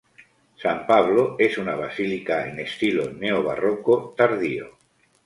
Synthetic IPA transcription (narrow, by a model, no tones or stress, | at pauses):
sampaβ̞loesunaβ̞asilikaḛnest̪iloneoβ̞a̰rokot̪aɾðio̰